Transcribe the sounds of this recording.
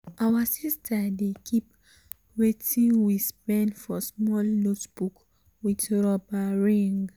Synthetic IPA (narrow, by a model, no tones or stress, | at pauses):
ʔawasistʰadekʰip | wetĩnwispɛ̃ndfɔsmɔlnotb̥uk | widɹɔbaɹĩŋɡ